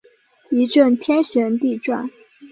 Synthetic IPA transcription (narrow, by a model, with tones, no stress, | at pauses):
i˧˥ʈ͡ʂə˥˩nt̪ʰjɛ˥nɕɥɛ˧˥nt̪i˥˧ʈ͡ʂwa̰˥˩n